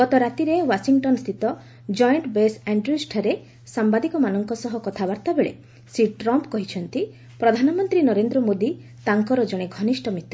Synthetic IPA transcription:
ɡɔt̪ɔɾat̪iɾewasiŋʈɔnst̪ʰit̪ɔ | d͡ʒɔjɳʈbesaɳɖɾjusʈʰaɾe | sambad̪ikɔmanɔŋkɔsɔɦɔkɔt̪ʰabaɾt̪abeɭḛ | siʈɾɔmpkɔɦit͡ʃʰɔnt̪i | pɾɔd̪ʱanɔmɔnt̪ɾinɔɾend̪ɾɔmod̪i | t̪aŋkɔɾɔd͡ʒɔɽ̃eɡʱɔnisʈɔmit̪ːɔ

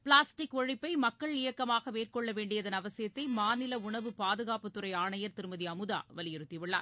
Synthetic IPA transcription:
pɪɭaːsʈɪkɔɻɪpːɐɪmɐkːɐɭɪjɐkːɐmaːɣɐʋeːrkɔɭːɐʋeːɳɖɪjɐðɐnɐʋɐsɪjɐt̪ːɐɪmaːnɪlɐʊɳɐʋɯpaːðɯɣaːpɯt̪ːɯɾɐɪaːɳɐjɐɾt̪ɪɾɯmɐðiɐmɯða̰ːʋɐlɪjɛɾɯt̪ːɪʋɪɭːa̰ːn

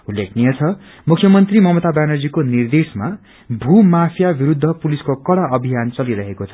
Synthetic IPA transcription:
ulːekʰnijʌt͡sʰʌ | mukʰːjʌmʌnt̪rimʌmʌt̪abanʌrd͡zikonird̪esma | bʱumapʰjabiɾud̪ʱːʌpuliskokʌɽaʔʌbʱijant͡sʌliɾʌɦekot͡sʰʌ̥

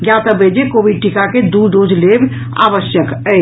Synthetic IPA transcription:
ɡjat̪əbed͡ʒekobiɖ̚ʈikaked̪uɖod͡ʒleb | a̰bəsjəkə

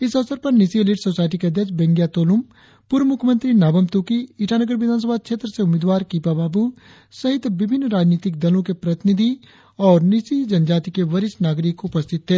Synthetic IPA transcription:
ɪsɐʋsəɾpɐɾnɪsielɪʈsoːsaːɪʈ̬ikeɐd̪jəkt͡ʃbɛ̃ŋɡjat̪oːlʊm | puɾʋmʊkʰjəmə̃nt̪ɾinaːbəmt̪uːkiːʈaːnəɡəɾʋɪd̪ʱaːns̬əbʱakʃeːt̪ɾəseʊmeːd̪ʋaːɾkiːpabaːbu | sɐɦɪt̪ʋɪbʱɪnːɾaːd͡ʒniːt̪ɪk̚d̪ɐlõkepɾɐt̪ɪnɪd̪ʱi | ɔːɾnɪsid͡ʒɐnd͡ʒaːt̪ikeʋɐɾɪsnaːɡɾɪkʊpəst̪ʰɪt̪ɦeː

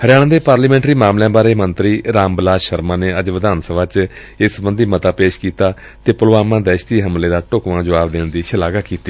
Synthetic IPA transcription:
həɾɪjaːɽãːd̪eːpaːɾləːmɛ̃ːɳʈɾiːmaːmljãːbaːɾeːmənt̪ɾiːɾaːmbəlaːʃəɾmãːneːəd͡ʒʋəd̪aːnsəbʱaːt͡ʃ | ɪsəbənd̪iːmət̪aːpeːʃkiːt̪aː | t̪eːpʊlʋaːmãːd̪ɛːʃt̪iːɦəmleːd̪aːʈʊkʋãːd͡ʒəʋaːbd̪eːɳd̪iːʃəlaːɡaːkiːt̪iː

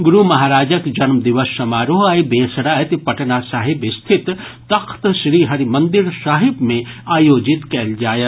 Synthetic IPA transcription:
ɡʊɾumɐɦaːɾaːd͡ʒəkd͡ʒɐnmd̪iʋəsːɐmaːɾoɦaibeːsɽaːet̪pɐʈnasaːɦibist̪ʰit̪t̪ɐkʰt̪ʃɾiːɦɐɾimɐ̃nd̪iɾsaːɦibmẽaːjoːd͡ʒit̪kɐld͡ʒaːjət̪

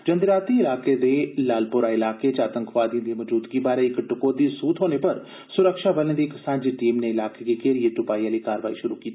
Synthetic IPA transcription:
d͡ʒənd̪ɾaːt̪iɪlaːked̪eːlaːlpʊɾaɪlaːket͡ʃaːt̪ə̃ŋkʰʋaːd̪iõd̪imɔd͡ʒuːd̪ɡibaːɾeɪkʈʊkoːd̪isuːt̪ɦoːnepɐɾ | sʊɾəkʃabəlẽd̪iksãːnd͡ʒiʈiːmneɪlaːkekikeːɾieʈʊpaːijaːlikaːɾʋaːiʃʊɾukiːt̪i

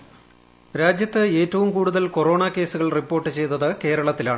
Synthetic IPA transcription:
ɾaːd͡ʑjɐt̪ːɨe̞ːtːɐʋumkuːɽuðɐlkoro̞ːɳɐke̞ːsuɣɐɭripːo̞ːrʈːɨt͡ɕe̞jt̪ːɐðɨke̞ːɾɐɭɐt̪ːilaːɳɨ

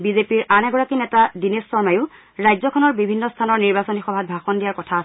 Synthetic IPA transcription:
bizepiɹanɛɡɔɹakinɛtadinesːɔɹmajʊ | ɹajzɔkʰɔnɔɹbibʱinːɔstʰanɔɹniɹbasɔnixɔbʱat̚bʱaxɔndijaɹkɔtʰas

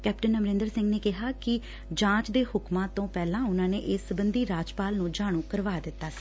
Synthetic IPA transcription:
kɛːpʈənəmɾẽːnd̪əɾsɪ̃ŋɡneːkɪɦaːkɪ | d͡ʒãːt͡ʃd̪eːhʊkmãːt̪õːpɛːlãːʊnãːneːʔɪsːəbənd̪iːɾaːd͡ʒpaːlnũːd͡ʒaːɽ̃ũːkəɾʋaːd̪ɪt̪ːaːsi̥

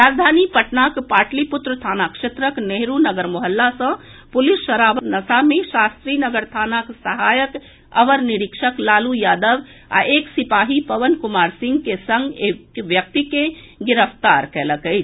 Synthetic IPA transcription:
ɾaːd͡ʒd̪ʱaːnipɐʈnaːkpaːʈlipʊt̪ɾət̪ʰaːnakʃet̪ɾəkneɦɾunɐɡəɾmoɦəlːasə̃ | pʊlɪsʃəɾaːʋənɐsamẽʃaːst̪ɾiːnəɡəɾt̪ʰaːnaksɐɦaːjək | ɐʋəɾnɪɾɪkʃəklaːlujaːd̪əʋ | a̰eːksɪpaːɦipɐʋənkʊmaːɾsɪ̃ŋɡkesə̃ŋɡeːkʋjək̚t̪ikẽ | ɡɪɾəft̪aːɾkɛːləkəi

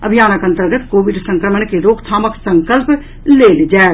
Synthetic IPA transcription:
əbʱijaːnəkə̃nt̪əɾɡət̪koːʋɪɖsə̃ŋkɾəməɳkeɾoːɡt̪ʰaːməksə̃ŋkəlp | leːld͡ʒaːe

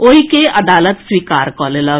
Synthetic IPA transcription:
oikeɐd̪aːlət̪swiːkaːɾkɔːlelə

